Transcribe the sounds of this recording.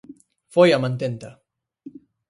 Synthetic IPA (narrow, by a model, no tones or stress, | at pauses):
fojamãnt̪ent̪a